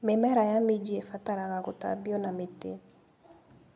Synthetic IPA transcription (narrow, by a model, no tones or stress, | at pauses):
mɛmɛɾajamid͡ʒiefataɾakakota̰bionamitḛ